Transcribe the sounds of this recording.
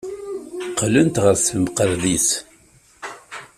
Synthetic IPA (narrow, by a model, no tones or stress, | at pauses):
qlənt̪ʁəɾθəmqəɾðiθ